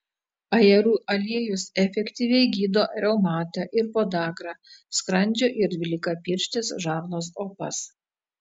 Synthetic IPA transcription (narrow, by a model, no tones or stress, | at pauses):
ɐjɛɾuːʔɐlʲiɛjʊsɛfʲɛkʲt̪ʲiːʋʲɛɪɡʲiːd̪oːɾʲɛʊmɑːt̪ɑʔɪɾpoːd̪ɑːkɾɑːskɾɐnʲd͡ʒʲoːʔɪɾd̪ʲʋʲɪlʲɪkɐpʲiːɾʲʃʲt̪ʲɪsʒɑːʋnoːsoːpɐ̰s